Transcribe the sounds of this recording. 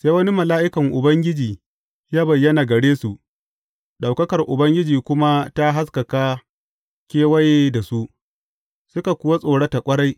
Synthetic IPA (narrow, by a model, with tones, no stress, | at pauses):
seː˦wɐ˦ni˦mɐ˨laː˦ʔɪ˦kɐ˨ŋʔʊ˨bɐ˦ŋɡʲɪ˦d͡ʒiː˨ | jaː˦bɐ˨jːɐ˦naː˨ɡɐ˨ɽeː˦su˨ʔ | ɗa˨wkɐ˦kɐ˨rʔʊ˨bɐ˦ŋɡʲɪ˦d͡ʒiː˨kʷʊ˦ma˦ta˦ɦa˦skɐ˨ka˦ | kʲeː˦wɐ˦je˦da˨su˦ʔ | sʊ˦ka˨kʷʊ˦wa˦sʼoː˨ɽa˦ta˨kʷʼɐ˦ɽa˦j